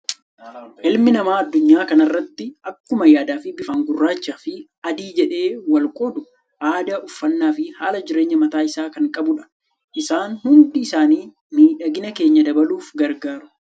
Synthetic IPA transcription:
ʔɪlmɪnɐmaːɐd̪ːʊɲːaːkɐnɐrːɐt̪ːɪɐkːʊmɐjaːd̪aːfɪbɪfɐŋɡʊrːaːt͡ʃːaːfɪ | ɐd̪iːd͡ʒɛᶑe̞ːwɐlkʼoːd̪ʊ | ʔaːd̪ɐʔʊfːɐnːaːfɪhaːlɐd͡ʒɪɾe̞ːɲːɐmɐt̪aːɪsaːkɐŋkʼɐbʊᶑɐ̥ | ʔɪsaːnhʊnd̪iːsaːniː | miːᶑɐɡɪnɐke̞ːɲːɐd̪ɐbɐluːfɡɐɾɡaːɾʊ̥

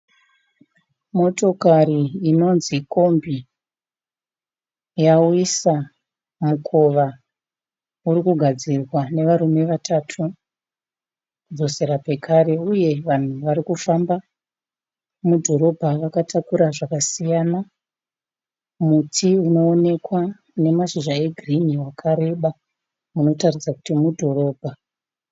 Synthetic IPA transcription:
mo̞to̞kariːno̞nziko̞mbi | jawisa | mukʰo̞ʋa | urikuɡʱad͡zirwane̞ʋaɾume̞ʋatʰatʰu | kud͡zo̞se̞ɾape̞kʰaɾe̞uje̞ʋan̤uʋaɾikufamba | mudʱo̞ɾo̞bʱaʋakatʰakuɾaʐakasijana | mutʰiuno̞ːne̞kwa | ne̞maʃiʒae̞ɡʱriniwakʰaɾe̞ɓa | uno̞tarid͡zaku̥timudʱo̞ro̞ːbʱa

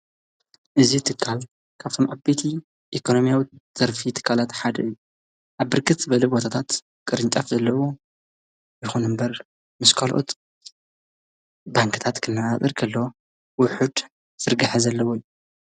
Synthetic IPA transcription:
ʔɨzit̪ʰɨkʰːal | kʰaβt̪ʰo̞mʔaβbet̪ʰi | ʔekʰo̞no̞mijawiz̥ɐɾfit̪ʰɨ̥kʰːalat̪ħad̪ɐɨjːu | ʔaβːɨɾkʰɨt̪z̥ɨβɐlebo̞t̪ʰat̪ʰat̪ | kʼɨɾɨnt͡ʃʼɐfzɐlːɐwo | jɪxunɨmbɐɾ | mɨskʰalʔo̞̰t̪ | baŋkɨt̪ʰat̪kʰɨnːaat̪ʼɨɾkʰɐlːo | wʊħud̪ | z̥ɨɾɡaħazɐlːɐwojːu

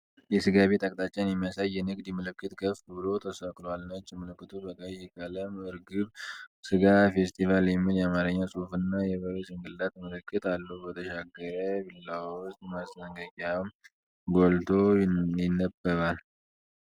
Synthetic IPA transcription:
jɛsɨɡaβet̪ʼakʼt̪ʼat͡ʃːɛnjɛmijasajːɛnɨɡd̪imɨlɨkːɨt̪ɡəfbɨlo̞t̪ʰəsəkʼlalnət͡ʃːɪmɨlɨkːɨt̪ʰubəkʼəjɛkʼələmɨɾɡɨβsɨɡafe̞st̪ʰivaljɛmːiljɛamaɾəɲːasʼufɨnːajɛβəɾezʼɨŋɡɨlːat̪mɨlɨkːɨt̪alːubət̪ʰəʃaɡːəɾəbɨlləwwʊst̪ʼmast̪əŋɡəɡʼam | ɡolt̪ʰo̞jɪnːəbːəɾal

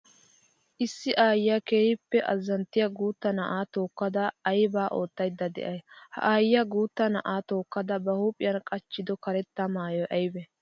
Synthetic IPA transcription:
ʔɪsːɪʔaːjjake̞ːhɪpːɛʔɐzːɐnt̪ːɪjɐɡuːt̪ːɐnɐʔaːt̪o̞ːkːɐd̪ɐːjbaːʔo̞ːt̪ːɐjd̪ːɐd̪ɛ̰ʔɐjhɐ̰ʔaːjɪjɐɡuːt̪ːɐnɐʔaːt̪o̞ːkːɐd̪ɐbɐhuːpʼɪjɐnkʼɐt͡ʃːɪd̪ɔkɐɾɛt̪ːɐmaːjɔʔɐjbɛ

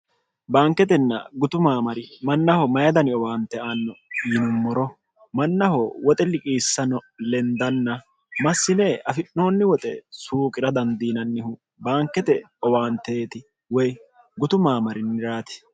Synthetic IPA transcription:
baːŋkːɛt̪ɛnːɐ̰ɡʊt̪ʊmaːmɐɾɪmɐnːɐhɔmɐjɐd̪ɐnɪɔwaːnt̪ɛʔanːɔjɪnʊmːɔɾɔ | mɐnːɐhɔwɔt̪ʼɛlɪkʼiːsːɐnɔlɛnd̪ɐnːɐ | mɐsːɪneːʔɐfɪnːoːnːɪwɔt̪ʼɛsuːkʼɪɾɐd̪ɐnd̪iːnɐnːɪhʊ | baːŋkːɛt̪ɛ | ɔwaːnt̪eːt̪ɪ | wɔj | ɡʊt̪ʊmaːmɐɾɪnɪɾaːt̪ɪ̥

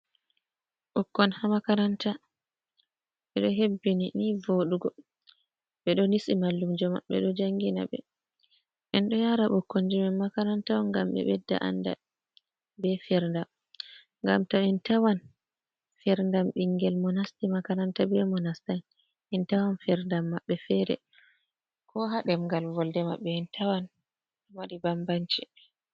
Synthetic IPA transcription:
ɓukːɔnhamakaɾanta | ɓɛɗɔɦebːininivoɗuɡɔ | ɓɛɗɔnisimalːumd͡ʒɔma̰ɓɛɗɔd͡ʒaŋɡina̰ɓɛ̰ | ʔɛnɗɔjaɾaɓukːond͡ʒimɛnmakaɾantawɔnɡamɓɛ̰ɓɛdːa̰ʔa̰nda̰ | bɛfɛɾndam | ŋɡa̰mtaɛntawan | fɛɾndamɓiŋɡɛlmɔnastimakanantabɛmɔnastan | ʔintawanfɛɾndamːaɓːɛfɛɾɛ̰ | kʰɔɦaɗɛmɡalvɔldɛmaɓːɛintʰawan | maɾibambaɲt͡ʃi

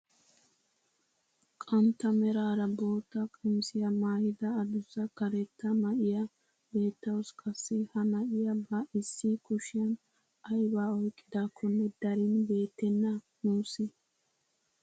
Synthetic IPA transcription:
kʼɐnt̪ːɐmɛɾaːɾɐbo̞ːt̪ːɐkʼɪmsɪjɐmaːhɪd̪ɐːd̪ʊzɐkɐɾɛt̪ːɐmɐʔɪjɐ | be̞ːt̪ːɐwɔskʼɐsːɪhɐnɐʔɪjɐbɐʔɪsːikʊʃɪjɐn | ɐjbaːɔjkʼːɪd̪akʰːɔnːɛd̪ɐɾɪnbe̞ːt̪ːɛnːɐ | muːsɪ

